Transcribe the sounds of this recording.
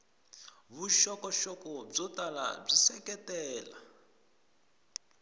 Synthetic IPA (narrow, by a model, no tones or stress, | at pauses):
βuʃɔkɔʃɔkɔb͡ʐɔtala̰b͡ʐisɛkʼɛtɛːla̰